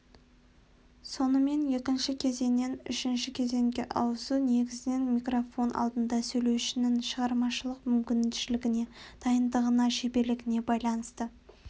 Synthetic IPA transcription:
so̞nəme̞nje̞kʲɪnʃɪkʲʰe̞ze̞nːe̞nʏ̰ʃɪnʃɪkʲʰe̞ze̞ŋɡʲe̞̰ʔɑwəsune̞ɡʲɪzɪne̞nmʲijkrofo̞nʔɑ̰lˠd̪ənd̪ɑsɵjle̞wʃɪnɪŋʃəʁɑɾmɑʃəlˠəqmʏmkʲɪnʃɪlɪɡʲɪne̞d̪̥ɑjənd̪əʁənɑʃe̞be̞ɾlɪɡʲɪne̞bɑjlˠɑnəst̪ə

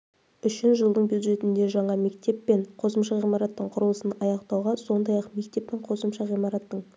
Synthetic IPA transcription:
ʏʃɪnʒəlˠd̪əɴbjud̪ʒe̞t̪ɪnd̪e̞ʒɑɴɑme̞kt̪e̞pːe̞ɴqʰo̞səmʃɑʁijmɑɾɑt̪ːəɴqʰʊɾəlˠəsənɑjɑqt̪ɑwʁɑso̞nd̪ɑjɑqme̞k̚t̪e̞p̚t̪ɪɴqʰo̞səmʃɑʁijmɑɾɑt̪ːəɴ

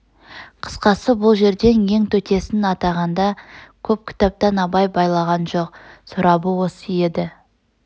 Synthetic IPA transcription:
qʰə̥sqɑsəbʊlˠʒe̞ɾd̪e̞nje̞ŋt̪ʰɵt̪e̞sɪnɑt̪ɑʁɑnd̪ɑkʲʰɵp̚kʲʰɪ̥t̪ɑp̚t̪ɑnɑbɑjbɑjlˠɑʁɑnʒo̞q̚sʊɾɑbəwo̞səje̞d̪ɪ

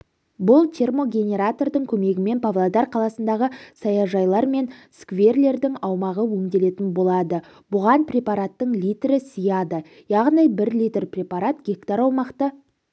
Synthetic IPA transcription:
bʊlˠt̪ʲʰe̞rmo̞ɡʲe̞nʲe̞ɾat̪o̞rd̪əŋkʲʰɵme̞ɡʲɪme̞npʰavlˠad̪ɑrqʰɑlˠɑsənd̪ɑʁəsɑjɑʒɑjlˠɑɾme̞nskve̞rle̞ɾd̪ɪŋɑwmɑʁəwɵmd̪e̞le̞t̪ɪnbo̞lˠɑd̪ə | bʊʁɑnprʲe̞paɾat̪ːəɴlijt̪ɾɪsəjɑd̪ə | jɑʁnijbɪɾlʲijt̪rprʲe̞paɾat̪ɡʲe̞kt̪aɾɑwmɑqt̪ə

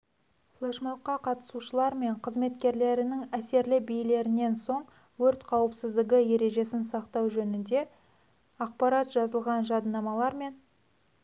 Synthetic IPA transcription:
flˠeʃmoqːɑqʰɑt̪ə̥suʃəlˠɑɾme̞ɴqʰəzme̞t̪kʲe̞ɾle̞ɾɪnɪŋæse̞ɾlɪbijle̞ɾɪne̞nso̞ɴ | wɵɾt̪qʰɑwəpsɪzd̪ɪɡʲɪje̞ɾe̞ʒe̞sɪnsɑqt̪ɑwʒɵnɪnd̪e̞ | ɑq̚pɑɾɑt̪ʒɑzəlˠʁɑnʒɑd̪ənɑmɑlˠɑɾme̞n

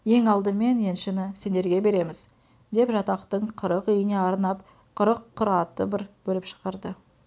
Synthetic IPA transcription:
je̞ŋɑlˠd̪əme̞ne̞nʃɪnɪse̞nd̪e̞ɾɡʲe̞be̞ɾe̞mɪz̥ | d̪e̞pʒɑt̪ɑqt̪əɴqʰəɾəqʏjɪne̞ɑɾnɑp | qʰəɾəqʰːʊɾɑt̪əbɪɾb̥ɵlɪpʃə̥qɑɾd̪ə

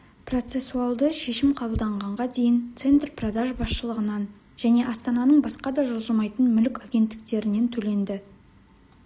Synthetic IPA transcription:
pro̞t̪se̞suɑlˠd̪əʃe̞ʃɪmqʰɑbəlˠd̪ɑɴʁɑɴʁɑd̪e̞jɪnt̪se̞nt̪rprod̪aʒbɑsʃəlˠəʁənɑn | ʒ̥æne̞ʔɑst̪ɑnɑnəɴbɑsqɑd̪ɑʒolˠʒəmɑjt̪ənmʏlɪkʲɑɡʲe̞nt̪ːɪ̥k̚t̪e̞ɾɪne̞nt̪ʰɵle̞nd̪ɪ

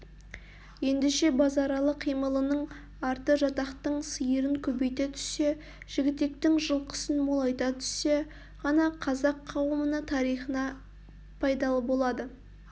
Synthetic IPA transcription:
je̞nd̪ɪʃe̞bɑzɑɾɑlˠəqʰijməlˠənəɴ | ɑɾt̪əʒɑt̪ɑqt̪əɴsəjəɾəŋkʲʰɵbe̞jt̪et̪ʰʏ̥se̞ | ʒ̥ɪɡʲɪt̪e̞k̚t̪ɪŋʒəlˠqə̥sənmolˠɑjt̪ɑt̪ʰʏ̥se̞ | ʁɑnɑqʰɑzɑqʰːɑwəmənət̪ʰɑɾijχənɑ | pʰɑjd̪ɑlˠəbo̞lˠɑd̪ə

